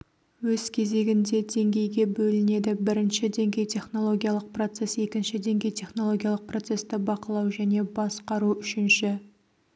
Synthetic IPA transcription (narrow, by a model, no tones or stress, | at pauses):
wɵz̥kʲʰe̞ze̞ɡʲɪnd̪e̞d̪e̞ŋɡʲe̞jɡʲe̞bɵlɪne̞d̪ɪbɪɾɪnʃɪd̪e̞ŋɡʲe̞jt̪ʰe̞χnolˠo̞ɡʲijalˠəq̚pro̞t̪se̞se̞kʲɪnʃɪd̪e̞ŋɡʲe̞jt̪ʰʲe̞χno̞lˠo̞ɡʲijalˠəq̚pro̞t̪se̞st̪ɪbɑqəlˠɑwʒæne̞bɑsqɑɾuʏʃɪnʃɪ